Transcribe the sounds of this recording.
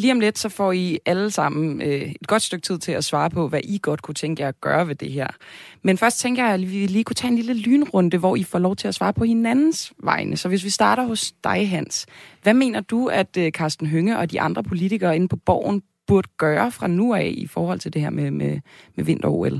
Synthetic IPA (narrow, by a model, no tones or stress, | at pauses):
liːɒ̽mled̥sɒ̽fɒ̰iæləsɑ̈m̰n̩øe̝d̥ɡ̥ɒ̽d̥sd̥øɡ̥̚t͡sʰið̰ˠt͡sʰe̝læsʋɑ̈ːpʰɒ̽ʋæʔiɡ̥ɒ̽d̥̚kʰut͡sʰeŋɡ̥əjɑɒɡ̥ɶ̰ːɐʋe̝d̥e̝ɦæɐ̰menfɶɐsd̥̚t͡sʰeŋ̰ɡ̥jɑ̈ɪiʋʋeliːkʰut͡sʰɛ̰ːenliləlyːnʁɔ̽nd̥əʋɒifɒ̰ːlɒʊt͡sʰe̝læsʋɑ̈ːpʰɒ̽he̝nænn̩sʋɑ̈ɪnʔəsɒ̽ʋe̝s̬ʋisd̥ɑ̈ːɾ̥ɐɦɔ̽sd̥ɑ̈ɪɦæn̰sʋæme̝̰ːnɐd̥uæd̥økʰɑ̈ːsd̥n̩ɦøŋəʔɒ̽d̥iʔɑ̈nd̥ʁɐpʰo̝lit͡sʰiɡ̥ɐːe̝n̩pʰɒ̽b̥ɒʊ̰n̩ | b̥uɐd̥əɡ̥ɶːɐfʁɑ̈nuɛ̰ːifɒːhɒ̽l̰t͡sʰe̝ld̥e̝hæɐ̰mememeʋe̝n̰d̥ɐo̰el